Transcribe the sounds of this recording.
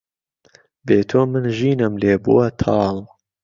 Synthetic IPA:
beːt̪ʰoːmɨnʒiːnɨmleːbṵwɐt̪ʰɑːl

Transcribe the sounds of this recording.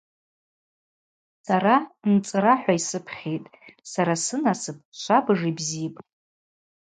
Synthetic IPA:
saɾant͡sʼɨɾaħᶣʷaisɨpʰχʲejtʼsaɾasɨnasɨp̚ʰʼʃʷabɨʐibzipʼ

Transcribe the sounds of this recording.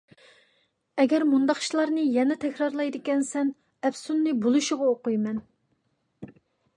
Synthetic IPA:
ɛɡʲɛɾmund̪ɑχʃlˠɑɾnɨjɛnɛt̪ʰɛkʲɾɑɾlˠɑjd̪ɪkʲɛnsɛn | ɛpsunːɨbolˠuʃʊʁɑoqujmɛn

